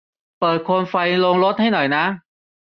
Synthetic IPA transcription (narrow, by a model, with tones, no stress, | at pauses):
pɤː˨˩t̪̚kʰo˧nfa˧jlo˧ŋɾo˦˥t̪̚ha˥˩jnɔ˨˩jna˦˥